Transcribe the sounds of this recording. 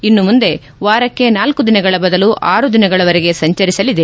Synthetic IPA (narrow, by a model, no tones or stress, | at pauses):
inːumund̪e̞ | ʋaːɾɐkːe̞naːlkud̪inɐɡɐɭɐbɐd̪ɐluʔaːɾud̪inɐɡɐɭɐʋɐɾeɡe̞sɐɲt͡ʃɐɾisɐlid̪e